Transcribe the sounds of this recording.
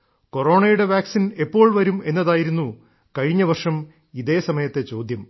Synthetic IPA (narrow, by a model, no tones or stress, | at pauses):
ko̞ro̞ːɳɐjuɽe̞ʋaːksine̞pːo̞ːɭʋɐɾume̞nːɐðaːjiɾunːu | kɐɻiɲːɐʋɐrʂɐm | iðeːsɐmɐjɐt̪ːe̞t͡ɕo̞ːd̪jɐm